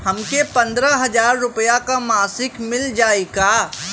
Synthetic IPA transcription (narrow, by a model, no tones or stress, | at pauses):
hɐmkepɐ̃nd̪ɾaɦɐd͡ʒaːɾːʊpəjakamaːsɪkmɪld͡ʒaːeɡaː